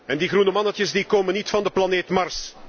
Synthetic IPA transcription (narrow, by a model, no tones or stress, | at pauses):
ɛndiɣrunəmɑnətjəsdikoːmənːitfɑndəplɑneːtmɑrs